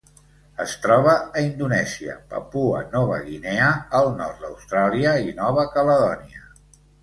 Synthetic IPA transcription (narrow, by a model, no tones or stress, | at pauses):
əst̪ɾɔβ̞əːind̪unɛziə̰pə̰puə̰nɔβə̰ɣineəːlˠnɔrt̪̚d̪əwst̪ɾaliəinɔβəkələðɔniə